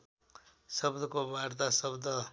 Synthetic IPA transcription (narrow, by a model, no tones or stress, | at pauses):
sʌbd̪ʱʌkobart̪asʌbd̪ʌ